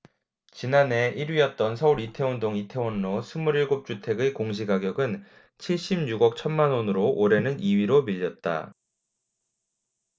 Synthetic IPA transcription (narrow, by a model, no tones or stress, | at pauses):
t͡ɕinane̞ʔiɾɥiʌt̚t͈ʌnsʰʌuɾitʰe̞ondoŋitʰe̞onːosʰɯmuɾiɭɡop̚t͡ɕ͈utʰe̞ɡɯkoŋɕ̬ʰiɡaɡjʌɡɯn | t͡ɕʰiɭɕ͈imɲuɡʌk̚t͡ɕʰʌnmanonɯɾoʔoɾe̞nɯniɥiɾomiʎːʌt̚t͈a̰